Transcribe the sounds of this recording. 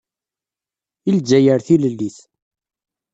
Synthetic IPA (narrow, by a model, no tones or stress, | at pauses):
ild͡ʒæjəɾθiləlːiθ